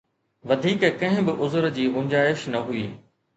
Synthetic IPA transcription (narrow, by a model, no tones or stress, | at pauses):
ʋɐd̪ʱiːkkɐ̃ɦɪ̃bɪʔʊzɾd͡ʑiːʔʊɲd͡ʑaːɪʃnɐɦuiː